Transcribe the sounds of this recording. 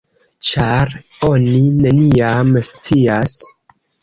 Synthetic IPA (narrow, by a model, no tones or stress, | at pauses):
t͡ʃaɾ | o̞nine̞niamst͡sias